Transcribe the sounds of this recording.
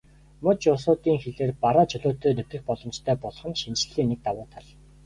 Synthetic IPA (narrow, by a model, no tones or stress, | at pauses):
mʊt͡ɕʊs̬ʊːt̪iːŋxeɮeːrpaɾaːt͡ɕʰɵɮʊːt̪eːnɵwʲt̪ɘ̆xpɔɮɞ̆mt͡ɕt̪ʰœːpɔɮχɞ̆nʃint͡ɕɮiːnek̚t̪awʊːt̪ʰaɮ